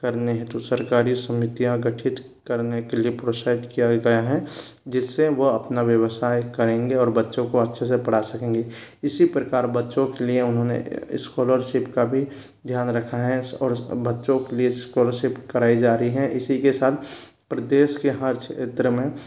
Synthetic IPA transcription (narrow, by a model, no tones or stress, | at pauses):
kəɾneɦɛ̃t̪osəɾkaːɾisɐmɪt̪ijãɡəʈʰɪt̪ | kəɾnekeliepɾosaːɪʈkijaɡɐjaɦɛd͡ʒɪsːeʋoɐpnaʋjəwsaːjkɐɾẽːŋɡeɔːɾbɐtːʃõkoɐtːʃʰesepɐɽasɐkẽːŋɡeɪsipɾəkaːɾbɐtːʃõkelieʊnɦõnḛɪ̰skoːləɾʃɪpkabʱi | d̪ʱjaːnɾəkʰaɦɛɔːɾbɐtːʃõkelieɪskoːləɾʃɪpkɐɾaːid͡ʒaːɾəiɦɛ̃ʔɪsikesaːt̪ʰ | pɾəd̪eːʃkeɦəɾt͡ʃʰet̪ɾəmẽ